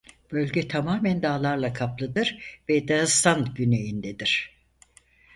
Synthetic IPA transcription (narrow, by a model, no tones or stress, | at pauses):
b̥ø̞lʲɟɛt̪ʰamaːmænd̪aːlˠaɾlˠakʰaplˠɯd̪ɯɾvɛd̪ast̪anɟyne̞jind̪ed̪iɾ̝̥